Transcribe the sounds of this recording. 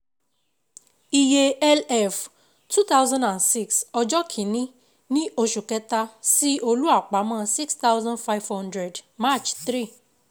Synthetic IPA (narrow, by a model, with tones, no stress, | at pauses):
i˧je˧ɛ˦lɛ˦f | tʰu˦t̪a˦wzã˦ndã˨nsi˦ksɔ˧d͡ʒɔ˦kʰĩ˨nĩ˦ | nĩ˦ʔo˧ʃu˨kɛ˧˦ta˦si˦o˧lu˦a˦˨k͡pa˨˦mãː˦˧si˦ksta˦wzã˦nfa˦jvhɔ̃˦ndɾɛ˨dma˦˨t͡ʃtɾi˦˨